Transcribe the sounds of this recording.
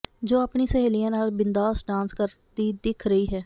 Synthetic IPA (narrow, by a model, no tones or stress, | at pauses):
d͡ʒoːapɳiːsəɦeːlijãːnaːlbɪnd̪aːsɖãːnskəɾt̪iːd̪ɪkʰɾəiːɦɛː